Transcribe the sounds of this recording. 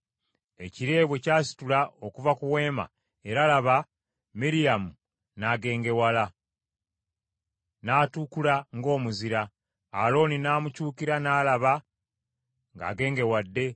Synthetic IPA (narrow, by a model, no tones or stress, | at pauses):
e̞̰ciɾe̞ːβwe̞caːsi̥tulaokuvakuwe̞ːma̰ | e̞ɾalaβa | miɾijamu | naɡe̞ːŋɡe̞wala | naːtukulaŋɡo̞ːmuziɾaː | lo̞ːninaːmucuːkiɾanaːlaβa | ŋɡa̰ːɡe̞ːŋɡe̞wadːe̞